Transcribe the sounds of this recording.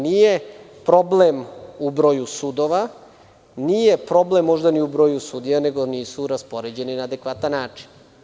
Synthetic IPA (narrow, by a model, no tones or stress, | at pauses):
nije̞ | pɾo̞blemubɾo̞ːjusud̪o̞ʋa | niːje̞pɾo̞blemːo̞ʒd̪aniubɾo̞ːjusud̪ijane̞ɡoniːsuɾaspoɾed͡ʑe̞ninaːd̪ekʋat̪anːaːt͡ʃi̥n